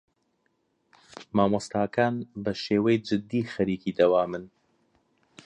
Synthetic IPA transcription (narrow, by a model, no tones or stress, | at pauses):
maːmɔst̪aːkaːnbɐʃeːwɛjd͡ʒɨd̪ːiːxɐɾiːkiːd̪ɐwaːmɨn